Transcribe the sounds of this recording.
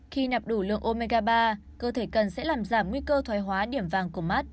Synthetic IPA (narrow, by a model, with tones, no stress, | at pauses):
xi˧na˨˩p̚ɗu˧˩lɨ̰˧˨əŋʔo˧me˧ɣaː˧ɓaː˧ | kəː˧t̪ʰe˧˩kə˨˩nsɛ̰˧˥laː˨˩mzaː˧˩mŋwi˧kəː˧t̪ʰwaː˨˦jɦwaː˨˦ɗi˧˩əmvaː˧˩ŋku˧˩əma˦˥t̚